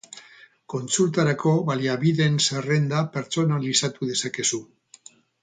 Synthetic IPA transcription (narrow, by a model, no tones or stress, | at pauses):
ko̞nt͡sult̪aɾako̞βaliaβiðe̞nsere̞nd̪ape̞ɾt͡so̞nalisat̪uðe̞sake̞su